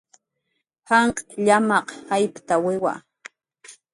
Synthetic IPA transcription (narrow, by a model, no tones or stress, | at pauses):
haɴqʼʎamɑqhajpt̪awɪwa̰